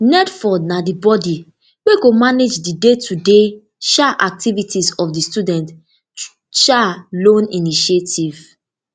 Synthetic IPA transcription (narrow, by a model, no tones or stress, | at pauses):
nɛtfɔdnadibɔdi | weɡomaned͡ʒdidetʰude | ʃaʔak̚tivitʰisɔfdistudɛ̃nt | ʃalõniniʃetʰiv̥